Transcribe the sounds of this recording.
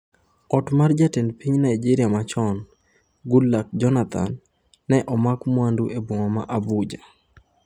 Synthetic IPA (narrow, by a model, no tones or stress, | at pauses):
ɔtmard͡ʒatenpiɲnaid͡ʒiɾijamat͡ʃɔn | ɡulːak̚d͡ʒɔnat̪ʰa̰nː | ɛʔɔmakmwanduʔebwɔŋɔmaʔabud͡ʒa